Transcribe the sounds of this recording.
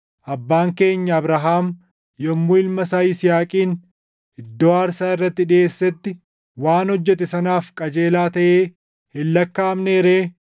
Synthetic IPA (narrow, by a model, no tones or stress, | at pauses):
ʔɐbːaːŋke̞ːɲːɐːbɾaɦaːm | jɔmːuɪlmɐsaːɪsɪjaːkʼiːn | ɪd̪ːɔːaːɾsaːɪrːɐt̪ːɪᶑɪeːsːɛt̪ːɪ | waːnhɔd͡ʒːɛt̪ɛsɐnaːfkʼɐd͡ʒe̞ːlaːt̪ɐʔeː | hɪlːɐkːaːmneːɾeː